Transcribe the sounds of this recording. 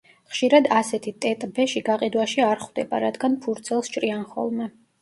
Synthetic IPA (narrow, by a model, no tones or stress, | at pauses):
χʃiɾad̪asɛt̪ʰit̪ʼɛt̪ʼbɛʃiɡaqʼid̪waʃiaɾχwd̪ɛba̰ɾad̪ɡanpʰuɾt̪sʰɛlˠst͡ʃʰʼɾianχɔ̰lˠmɛ